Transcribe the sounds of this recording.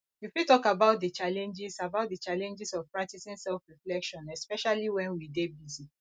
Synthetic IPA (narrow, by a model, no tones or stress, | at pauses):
jufitɔkabaʊt̚dət͡ʃalɛ̃nd͡ʒisabaʊt̚dət͡ʃalɛ̃nd͡ʒisɔvpɹak̚tisĩnsɛlfɹiflɛkʃɔ̃nɛspɛʃaliwɛ̃nwidebizi